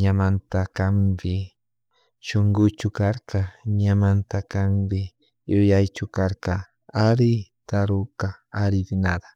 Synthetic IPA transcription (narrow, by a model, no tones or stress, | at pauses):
ɲamant̪akambɪ | ʃoŋɡʊt͡ʃʊkaɾkaɲamant̪akambɪ | jʊjajt͡ʃʊkaɾka | aɾɪt̪aɾʊkaaɾɪbɪnad̪ḁ